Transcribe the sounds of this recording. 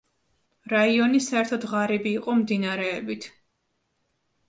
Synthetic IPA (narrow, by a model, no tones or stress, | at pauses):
ɾaiɔnisaɛɾt̪ʰɔd̪ʁaɾibiːqʼɔmd̪inaɾɛːbit̪ʰ